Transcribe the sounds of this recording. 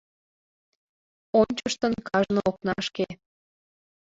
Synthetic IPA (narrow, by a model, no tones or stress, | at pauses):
onʲt͡ɕəʃt̪ənkɑʒnook̚nɑʃke